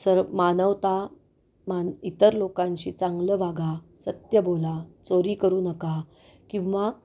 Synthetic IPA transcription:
səɾmanəʋt̪a | manit̪əɾlokãɲt͡ɕiːt͡saŋɡləbaɡa | sət̪jəbolat͡soɾiːkəɾuːnəka | kĩw̃ʋa

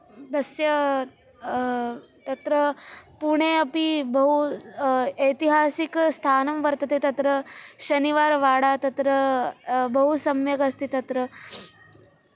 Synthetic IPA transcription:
d̪əsjə | t̪ɐt̪ɾəpuɽ̃eɐpibəɦu | ejt̪iɦasikst̪ʰanɐmʋəɾt̪ət̪et̪ɐt̪ɾəɕəniʋaɾʋaɽat̪ɐt̪ɾə | bəɦusɐmjəɡəst̪iːt̪ɐt̪ɾə

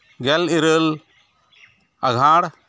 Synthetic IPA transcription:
ɡɛliɾəl | ɐɡʱãːɽ

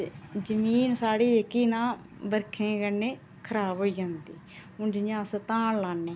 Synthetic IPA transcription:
d͡ʒəmiːnsaːɽiːekiːnãː | bəɾkʰẽːkəneː | kʰəɾaːbɦoːiːd͡ʒãːnd̪iː | ʊd͡ʒɪɲãːsət̪ãːnlaːnːeː

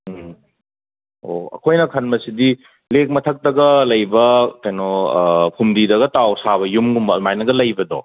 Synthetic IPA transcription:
o̰ɐ̰kʰojnɐkʰɐnmɐsidi | lek̚mɐtʰɐk̚tɐɡɐlɐjbɐkajnɔpʰumdidɐɡɐtawsaβɐjumɡumbɐmajnɐɡɐlɐjbɐdɔ

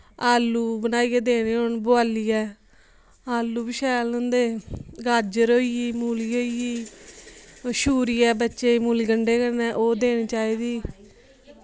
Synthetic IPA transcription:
aːlːuːbənaːiːɛːd̪eːɽ̃iːoɳboaːliːɛː | aːlːuːbɪʃɛːlnə̃nd̪eːɡad͡ʒəɾoːiːiːmuːliːoːiːiː | ʃuːɾiːɛːbətːʃeːmuːliːɡəɳɖeːɡənɛːʔoːd̪eːɽ̃iːt͡ʃaːiːd̪iː

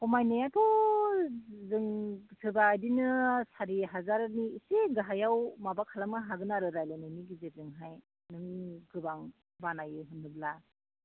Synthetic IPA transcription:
kɔmajnejatʰɔ | zɯŋsʰɯbaːjdinɯsaɾiɦazaɾaniːseɡaɦajawmabakʰalamɯɦaɡɯnaɾɯɾajlanɯniɡizezɯŋɦaj | nɯŋiɡɯbaŋ | banajɯɦɯnːɯbla

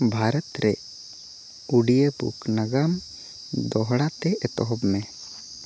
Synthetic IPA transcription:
bʱaɾət̪ɾɛ | uɽijəbṵknɐɡam | d̪ɔɦɽat̪ɛɛt̪ɔɦɔbmẽ

